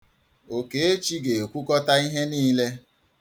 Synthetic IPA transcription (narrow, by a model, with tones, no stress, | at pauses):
o˨ke˨e˦t͡ʃi˦ɡe˨e˨kʷu˦kɔ˦ta˦i˦ɦe˦niː˦le˦